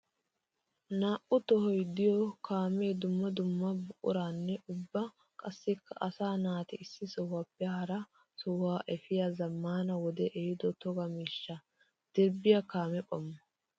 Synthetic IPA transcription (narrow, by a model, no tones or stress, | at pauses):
naːʔʊt̪ɔhɔjd̪ɪjɔkaːmeːd̪ʊmːɐd̪ʊmːɐbʊʔʼʊ̰ɾaːnːɛʔʊbːɐ | kʼɐsːɪkːɐʔɐsaːnaːt̪ɛɪsːɪsɔhʊapːɛhɐɾɐ | sɔhʊwaːʔɛfɪjazɐmːaːnɐwɔd̪ɛʔɛɪd̪ɔt̪ɔɡɐmiːʃːɐ | d̪̥ɛɾbɪjɐkaːmɛpʼɔmːɐ